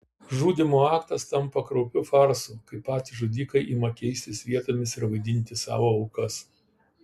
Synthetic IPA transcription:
ʒuːd̪ʲɪmoːɑːkt̪ɐst̪ɐmpɐkɾɒʊpʲʊfɑɾsukɐɪpːɑːt̪ʲɪʒoːd̪ʲiːkɐɪʔiːmɐkʲɛɪsʲt̪ʲɪsʋʲiɛt̪oːmʲɪsɪɾʋɐɪd̪ʲɪnʲt̪ʲɪsɑ̰ːʋoːɒʊkɐs

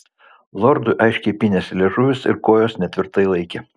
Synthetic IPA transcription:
lˠɔɾd̪ʊʔɐɪʃʲkʲɛɪpʲɪnʲɛsʲlʲeːʒʊʋʲɪsɪ̰ɾkoːjoːsnʲɛt̪ʲʋʲɪɾt̪ɐɪlˠɐɪkʲɛ

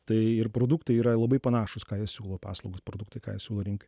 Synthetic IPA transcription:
t̪ɐɪɪɾpɾoːd̪ʊkt̪ɐɪiːɾɐlˠɐbɐɪpɐnɑːʃʊskɑːjiɛssʲuːlˠoːpɑ̰ːslˠɐʊɡospɾod̪ʊk̚t̪ɐɪkɑ̰ːjisʲuːlˠoːɾʲɪŋkɐ

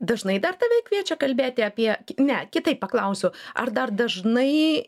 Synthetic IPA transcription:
d̪ɐʒnɐɪd̪ɐrt̪ɑːʋʲɛkʲʋʲiɛt͡ʃʲɛkɐlʲbʲeːt̪ʲɪɐpʲiɛkʲnʲɛkʲɪt̪ɐɪppɐklˠɐʊsʲʊɐ̰rd̪ɐrd̪ɐʒnɐɪ

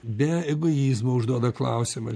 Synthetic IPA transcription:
bʲɛɪɡʊjiːzmɐʊʒd̪uɔd̪ɐklˠɐʊsʲɪmɐ̰

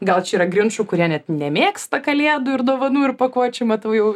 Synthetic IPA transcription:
ɡɐlˠt͡ʃʲɛiːɾɐɡɾʲrʲɪnʃuːkʊɾʲiɛnʲɛt̪nʲɛmʲeːkst̪ɐkɐlʲeːd̪ʊɪrd̪oːʋɐnuːɪrpɐkuɔt͡ʃʲɛmɐt̪ɐʊjɛʊ

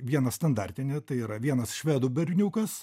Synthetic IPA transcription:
ʋʲiɛnɐst̪ɐnd̪ɐɾʲt̪ʲɪnʲet̪ɐɪiːɾɐʋʲiɛnɐsʃʲʋʲæːd̪ʊbʲɛɾʲnʲuːkɐs

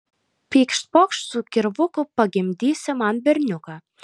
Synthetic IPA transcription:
pʲiːkʃpokʃsʊkʲɪɾʋʊkʊpɐɡʲɪmʲd̪ʲiːsʲɪmɑnbʲɛɾʲnʲukɑ

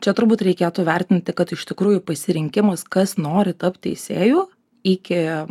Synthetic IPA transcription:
t͡ʃʲɛt̪ʊɾbuːt̪ɾʲɛɪkʲeːt̪uːʋʲɛrʲt̪ʲɪnʲt̪ʲɪkɐt̪ɪʃt̪ʲɪkɾuːjʊpɐsʲɪɾʲɪŋʲkʲɪmɐskɐsnoːɾʲɪt̪ɐpt̪ʲtʲɛ̰ɪsʲeːjuː | ikʲɪ

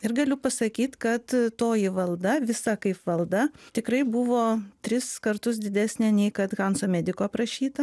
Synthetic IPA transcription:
ɪɾɡɐlʲʊpɐsɐkʲiːt̪kɐt̪toːjɪʋɐlˠd̪ɐʋʲɪsɐkɐɪpʋɐlˠd̪ɐt̪ʲɪkɾɐɪbʊʋoːt̪ʲɾʲɪskɐɾt̪ʊs̬d̪ʲɪd̪ʲæːsʲnʲeːnʲɛɪkɐt̪ɣɑnsoːmʲæd̪ʲɪkoːprɐʃʲiːt̪ɐ

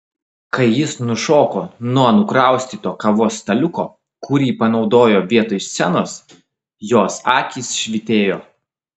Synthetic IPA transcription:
kɐɪjɪsnʊʃoːkoːnuɔnʊkɾɑˑʊsʲt̪ʲiːt̪oːkɐʋoːst̪ɐlʲʊkoː | kʊɾʲiːpɐnɒʊd̪oːjoːʋʲiɛt̪ojsʲsʲɛnoːs | joːsɑːkʲiːsʃʲʋʲɪt̪ʲeːjoː

